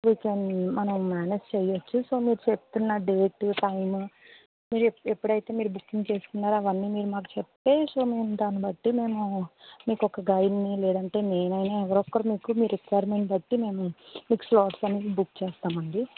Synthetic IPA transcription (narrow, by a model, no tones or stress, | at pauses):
ʋiːkenmɐnɐmmaːned͡ʒt͡ʃejot͡ʃːuso̞ːmiːɾut͡ʃep̚t̪unːaːɖeːkʈːuʈɐjmu | miːɾepːuɽɐjt̪e̞ːmiːɾubukːiŋɡt͡ʃe̞ːsu̥kunːaːɾuɐʋɐnːiːmiːɾumaːk̬u̥t͡ʃepːe̞ːso̞ːmeːmd̪aːnibɐʈːime̞ːmumiːkɔkːɐɡɐjinːilɛːd̪ɐɳʈe̞ːneːnɐjnaːɛʋɐɾɔkːɐɾumiːkumiːɾɾekːjaɾmeɳʈ̚bɐʈːime̞ːmumiːku̥slɔːʈsɐnit͡ʃibukːt͡ʃɛːst̪aːmɐɳɖi